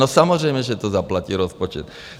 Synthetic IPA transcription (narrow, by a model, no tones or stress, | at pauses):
ɔsamɔzɾɛjmɛʒɛt̪ɔzaplaciːɾɔspɔt͡ʃɛ̰t̪